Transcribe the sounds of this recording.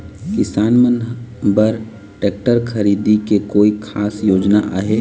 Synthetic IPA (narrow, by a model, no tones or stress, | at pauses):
kɪsaːnmənbəɾ | ʈeːk̚ʈəɾkʰəɾiːd̪ikekoːikʰaːsjoːd͡ʒnaʔa̰ːɦe